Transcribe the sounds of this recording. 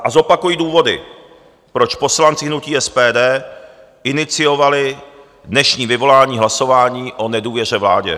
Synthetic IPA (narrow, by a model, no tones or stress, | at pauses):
ʔazo̞pakujiːduːvo̞dɪ̰ | pɾo̞t͡ʃpo̞slant͡sɪɦnuciːɛspɛːdɛː | ʔɪnɪt͡sɪjo̞valɪ | dnɛʃɲiːvɪvo̞laːɲiːɦlaso̞vaːɲiːʔo̞nɛduːvjɛr̝ɛvla̰ːɟɛ̰